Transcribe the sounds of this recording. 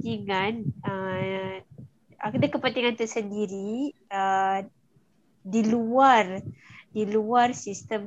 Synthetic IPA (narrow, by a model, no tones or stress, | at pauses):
t̪iŋanə | akdakəpənt̪iŋant̪usəndiɾiə | diluardiluarsist̪əm